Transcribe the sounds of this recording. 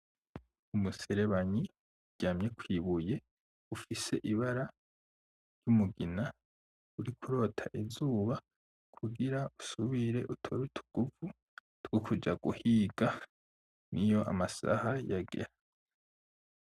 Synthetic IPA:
umuse̞ɾe̞βaɲi | ɟaːmɲe̞kwiːβuje̞ | ufise̞ʔiβaɾa | ɾjumuɡina | uɾikʰuɾo̞ːtʰa̰ʔizuːβa | kʰuɡiɾausuβiɾe̞ʔutʰoɾutʰu̥ɡ̥uvu | tɡ̥okʰud͡ʒaɡuhiːɡ̥a | nijo̞ʔa̰masa̰hajaɡḛɾa

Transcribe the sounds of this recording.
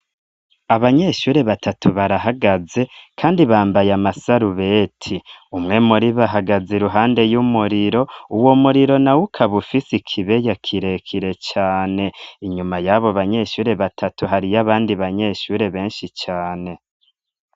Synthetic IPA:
aβaɲe̞ʃuːɾe̞βatʰatʰuβaɾaɦaɡaze̞kʰaːndiβaːmbajamasaɾuβe̞tʰiumŋe̞muɾiβaɦaɡazeɾuɦaːnde̞jumuɾiɾo̞uwo̞muɾiɾo̞nawukʰaβufisikʰiβe̞jakʰiɾe̞kʰiɾe̞t͡ʃaːne̞iɲumajaβoβaɲe̞ʃuːɾe̞βatʰatuɦaɾijaβaːndiβaɲeʃuːɾe̞βe̞ːnʃit͡ʃaːne̞

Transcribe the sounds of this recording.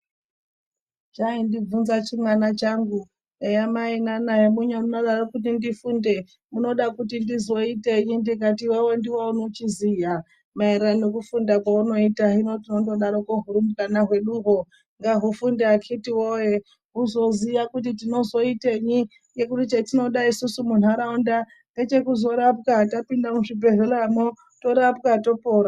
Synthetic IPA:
d͡ʒaindivunzat͡ʃimwanat͡ʃaŋɡu | nejamainanaɦemuɲwemuno̞ɗarokut̬indifunde̞ | muno̞ɗakutindizo̞ite̞ɲindik̬at̬iwewe̞ndiwaunot͡ʃizija | maeɾeranek̬ufundakwauno̞itaɦino̞tino̞ndo̞ɗaɾokoɦuɾimukanaɦwe̞ɗuɦo̞ | ŋɡaɦufundeakʰitiwoje | ɦuzo̞ziʋakut̬it̬ino̞zo̞ite̞ɲi | ŋɡe̞kutit͡ʃetino̞ɗaisusumun̤aɾaunda | nɡe̞t͡ʃe̞kuzo̞ɾap̚katapindamuʐibʱe̞ɮelamo | to̞ɾapkato̞poːɾa

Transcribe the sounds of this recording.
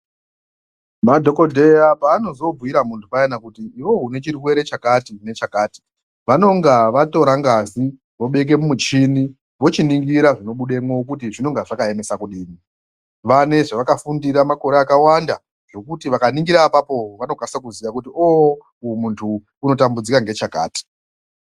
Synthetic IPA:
madʱo̞ko̞dʱe̞japaːno̞zo̞b͡vuiɾamuntʰupaenakutiːwo̞ɦune̞t͡ʃirwe̞ɾe̞t͡ʃakatine̞t͡ʃakaːti̥ | ʋano̞ŋɡaʋato̞ɾaŋɡazi | ʋo̞ɓe̞k̬e̞mumut͡ʃini | ʋo̞t͡ʃiniŋɡiɾaʐino̞ɓuɗe̞mwook̬utiʐino̞ŋɡaʐakae̞me̞sakuɗiːni | ʋane̞ʐaʋakafundiɾamako̞ɾeakawanda | ʐo̞kutiʋakaniŋɡiɾaːpapo̞ʋano̞kanisakuziʋakutio | ujmuntʰuː | no̞tambud͡zikaŋɡe̞t͡ʃaka̰ːti̥

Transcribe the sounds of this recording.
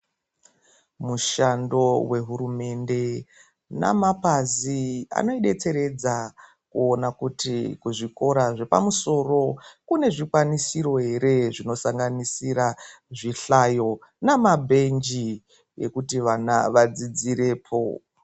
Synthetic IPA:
muʃando̞we̞ɦuɾume̞nde̞ | na̰mapazia̰no̞iɗe̞t͡se̞ɾe̞d͡za | kuonakutikuʐiko̞ɾaʐe̞pa̰muso̞ro̞kune̞ʐikwanisiɾo̞ɦe̞ɾe̞ʐino̞saŋɡanisiɾa | ʐiɬajo̞ | namabʱe̞nd͡ʒi | je̞̰kutiʋanaʋad͡zid͡ziɾe̞ːpʰo̞̰

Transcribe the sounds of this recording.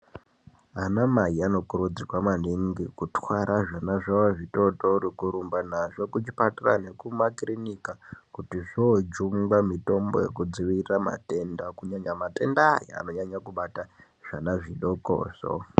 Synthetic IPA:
anamaiano̞kuɾud͡zirwaman̤iŋɡikutwaɾʔaʐanaʐaaʐiɗo̞toɾikuɾumbanaʐo̞kut͡ʃipatira̰ne̞kumakrinikakutiʐod͡ʒumɡwamito̞mbo̰jḛkud͡ziʋirama̰te̞ndakuɲaɲamate̞ndajaa̰no̞ɲaɲakuɓata | ʐ̥anaʐiɗoko̰ːso̰

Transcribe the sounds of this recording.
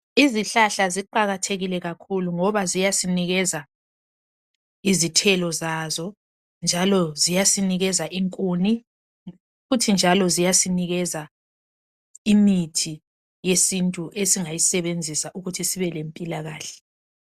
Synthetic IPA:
iziɬaɬaziǃaɣatʰeɣilɛɣakʰuluŋɔβazijasiniɣɛza | izitʰɛlɔzazɔ | nd͡ʒʱalɔzijasiniɣɛzaʔiŋkʼuːni | futʰind͡ʒʱalɔzijasiniɣɛza | imitʰi | jesintʼuʔesiŋajisɛβend͡zʱisaʔuɣutʰisiβɛlempʼilaɣaːɬɛ̥

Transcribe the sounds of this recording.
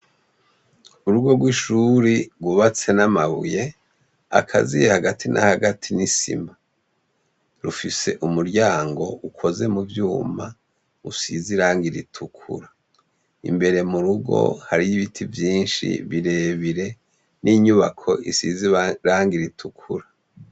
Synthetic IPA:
uɾuɡo̞ɡwiʃuɾiɡwuβat͡se̞namaβṵje̞ | a̰kʰa̰zijehaɡatʰinʔa̰haɡatʰinisḭma | ɾufise̞ʔumuɾɟaːŋɡo̞ʔukʰo̞ze̞muvjuːma | usiziɾaːŋɡiɾḭtʰukʰṵɾa | ḭmbe̞ɾe̞muɾuɡo̞̰haɾijiβitʰivjiːnʃḭβiɾe̞βiɾe̞ | nʔiːɲuβakʰo̞̰isiziɾaːŋɡiɾitʰukʰuɾa

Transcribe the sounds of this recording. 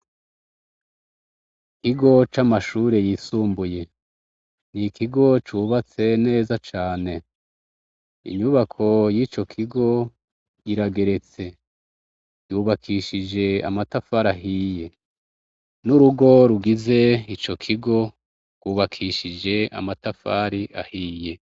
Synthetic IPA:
kiɡo̞t͡ʃamaʃuːɾe̞jisuːmbuje̞ | nikʰiɡo̞t͡ʃuːβat͡se̞ne̞ːzat͡ʃaːne̞ | ḭɲuβakʰo̞jiːt͡ʃo̞kʰiɡo̞ | iɾaɡe̞ɾe̞t͡se̞ | juːβakʰiːʃid͡ʒe̞a̰matafaɾaɦije̞ | nuɾuɡo̞ɾuɡize̞it͡ʃo̞kʰiɡo̞ | ɡ̥wuːβakʰiʃid͡ʒe̞a̰matafaɾiʔa̰hiːje̞

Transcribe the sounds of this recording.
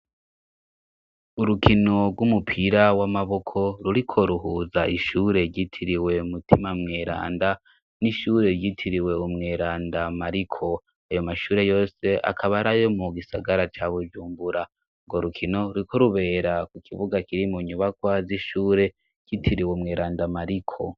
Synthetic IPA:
uɾukino̞ɾɡwumupʰiɾawamaβo̞kʰo̞ɾuɾikʰo̞ɾuɦuzaʔiʃuːɾe̞ɾɟitʰiɾiwe̞umutʰimamŋe̞ːɾa̰ːnda | niʃuːɾe̞ɾɟitʰiɾiwe̞umŋe̞ːɾaːndamaɾikʰo̞ | ajo̞maʃuːɾe̞jo̞ːse̞ʔa̰kʰaβaɾajo̞muɡisaɡaɾat͡ʃaβud͡ʒuːmbuɾa | ŋɡoɾukʰino̞uɾikʰo̞ɾuβe̞ɾakukʰiβuɡakiɾimuɲuβakwaziʃuːɾe̞ | ɾɟ̥itʰiɾiweumŋeːɾaːndamaɾikʰo̞

